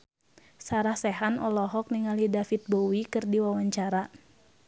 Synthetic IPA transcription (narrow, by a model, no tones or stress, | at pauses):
saɾahsɛɦanʔɔlɔɦɔk̚niŋalidafit̪̚bowikɨrdiwawaɲt͡ʃaɾa